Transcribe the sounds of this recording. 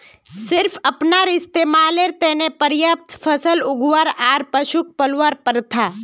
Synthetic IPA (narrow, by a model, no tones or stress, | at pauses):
sɪɾfʰəpnaɾɪst̪eːmaːleɾt̪ɛːnepəɾjəp̚t̪pʰəsəlʊɡʋaɾaːɾpəʃuk̚pəlʋaɾpəɾt̪ʰa